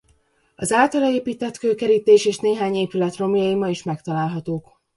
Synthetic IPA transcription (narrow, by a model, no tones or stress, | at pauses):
ɒzaːlt̪ɒlɒeːpiːt̪ɛt̪køːkɛɾiːt̪eːʃeːʃneːɦaːɲeːpylɛt̪ro̞mijɒimɒiʃmɛkt̪ɒlaːlɦɒt̪oːk